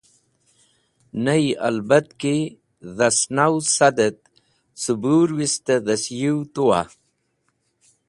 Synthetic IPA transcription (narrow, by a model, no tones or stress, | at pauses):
naja̰lbat̪ke | ðasnawsad̪ət̪̚ | subuːɾwist̪aðɐsjiwt̪uwa̰